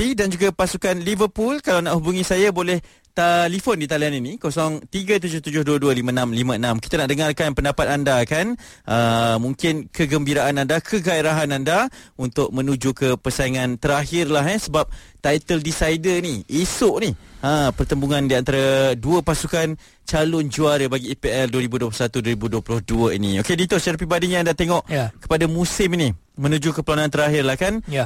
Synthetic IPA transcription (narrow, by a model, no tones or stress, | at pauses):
idand͡ʒuɡapasukanlivərpulkalawnaʔhubuŋisajabolɛh | t̪alifondit̪alianinikosɔŋt̪iɡat̪̬ud͡ʒʊht̪ud͡ʒʊhduəduəlimənãmlimə̃ənamkit̪anaʔdəŋarkanpəndapat̪̚andakan | ʔəmũŋkɪnkəɡəmbiɾaʔanandakʰəɡaiɾaɦanandaunt̪ʊʔ̚mə̃nud͡ʒukəpərsaiŋant̪əɾaɦɪrlaɦɛsəbap̚ | t̪ajt̪əldisaidəniʔisʊʔniəpərt̪əmbuŋandiant̪aɾaduəpasukan | t͡ʃalʊnd͡ʒuaɾəbaɡiːpeɛlduəɾibuduəp̬lusat̪uduwəɾibuduəplʊhduəinḭokedit̪ʊsaɾap̬ibadiɲaːndat̪eŋɔʔkə̥padamusɪmini | mə̃nũd͡ʒukəpəlanant̪əɾaɦɪrlahkan